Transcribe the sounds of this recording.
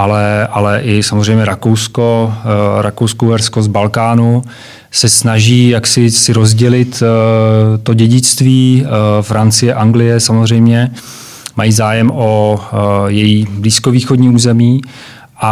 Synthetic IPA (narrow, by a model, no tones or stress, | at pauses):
ʔalɛʔalɛʔɪsamozr̝ɛjmɲɛɾakowsko̞ɾakowskowɛɾsko̞zbalkaːnu | sɛsnaʒiːjaksɪsɪɾo̞zɟɛlɪt̪ | t̪o̞ɟɛɟɪt͡st̪viːfɾant͡sɪjɛʔaŋɡlɪjɛsamozr̝ɛjmɲɛ | majiːzaːjɛmʔo | jɛjiːbliːskoviːxodɲiːuːzɛmiː | ʔa